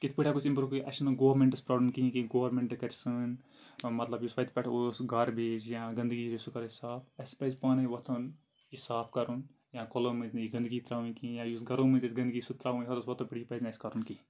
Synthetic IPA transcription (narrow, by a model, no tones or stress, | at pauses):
kit̪ʰpɨʈʰʲakut͡ʃʰĩmpɾokɨʔɐ̰sʰnɨɡoːɾmẽɳʈɨspɾoːblɐmkiĩkiɡoːɾmẽɳʈɖɨkɐɾʲsɨn | mɐt̪lɐbjusʋɐt̪pɛʈʰosɡɐɾbeːd͡ʒjãɡɐ̃nd̪ɨɡiɾisukɐɾsaːpɐspɐzpaːnɐjʋɐt̪ʰon | isaːpʰkɐɾun | jãkolomɨ̃zniɡɐnd̪ɨɡit̪ɾaːʋũkĩjãjuːsɡɐɾõmɨ̃nzɐsʲɡɐnd̪ɨɡisut̪ɾaːʋũɦot̪ɐsʋɐt̪ʰopiɽipɐzʲnɐsʲkɐɾunki